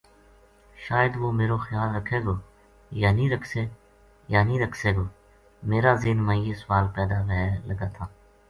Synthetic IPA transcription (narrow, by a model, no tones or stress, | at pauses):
ʃaːjəd̪ʋoːmeːɾoːxəjaːlɾəkʰːeːɡoː | jaːnĩːɾəkʰseː | jaːnĩːɾəkʰseːɡoː | meːɾaːzɪːnmãːjeːsʊʋaːlpɛːd̪aːʋɛɦləɡaːt̪ʰaː